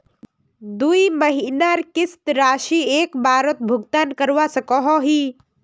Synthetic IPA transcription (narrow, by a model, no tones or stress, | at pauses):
d̪uiməɦinaɾkɪst̪ɾaːʃiːeːkbʱaːɾət̪̚bʱʊɡt̪aːnkəɾʋasəkɔɦɔɦiː